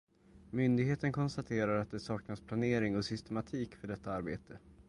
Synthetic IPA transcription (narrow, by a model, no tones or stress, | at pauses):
mʏnd̪ɪɡɦeːt̪ənkʰɔnst̪at̪ʰeːɾaɾat̪̚d̪ɛsɑːknaspʰlaneːɾɪŋɔsʏst̪ɛmat̪ʰiːkfœɖɛt̪ʰːaaɾbḛːt̪ʰə